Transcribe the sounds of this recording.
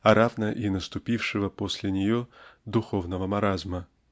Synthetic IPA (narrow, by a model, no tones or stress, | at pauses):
ɐɾavnəʔinəst̪ʊpʲifʂɨvəposʲlʲɪnʲɪjod̪ʊxo̞vnəvəmɐɾazmə